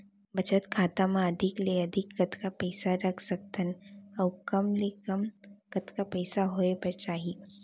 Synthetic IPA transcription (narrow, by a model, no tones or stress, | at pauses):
bɐt͡ʃət̪kʰaːt̪amãɐd̪ʱɪkleɐd̪ʱɪkːɐt̪kapɛːsaɾɐkʰsɐk̚t̪ənɔʊkɐmlekɐmkɐt̪kapɛːsaɦoepɐɾt͡ʃaːɦie